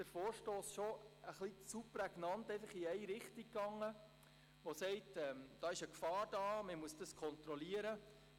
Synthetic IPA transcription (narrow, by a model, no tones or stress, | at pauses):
d̥əɾfoːɾʃtoːsʃoəχlisuprɛɡnɑntɛɪfəχiɛɪɾɪχtikɡɑŋːə | ʋosɛɪtɛmd̥ɑːɪʃəkfɑːɾd̥ɑːməmuəsd̥ɑskʰɔnt̪ɾɔliəɾə